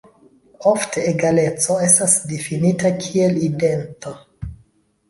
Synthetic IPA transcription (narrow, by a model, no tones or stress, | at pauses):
o̞fteːɡale̞t͡so̞e̞stasdifinitakʰie̞lide̞nto